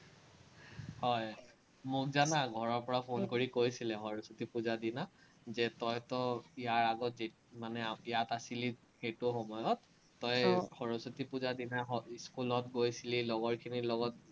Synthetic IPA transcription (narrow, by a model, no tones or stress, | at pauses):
hɔj | mʊkzanaɡʱɔɹɔɹpɔɹapʰonkoɹikojsilɛxɔɹosutipuzadina | zɛtɔjtɔijaɹaɡɔtzi | manɛijatasili | xejtʊxɔmɔjɔtː | ɔjxɔɹɔsutipuzadinaɔskulɔtɡojsililɔɡɔɹkʰinilɔɡɔt̚